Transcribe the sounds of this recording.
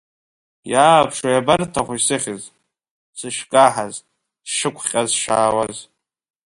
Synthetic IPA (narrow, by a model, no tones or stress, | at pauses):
jaːpʰʂajabartʰaχʷisɨχʲɪz | sɨʃkʼaħaz | d̥ʂɨkʷʰχʲʼazʂaːwaz